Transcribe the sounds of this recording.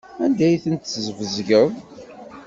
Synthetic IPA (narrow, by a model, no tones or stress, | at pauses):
ænd̪æjθənt̪ːəzvəzʝəv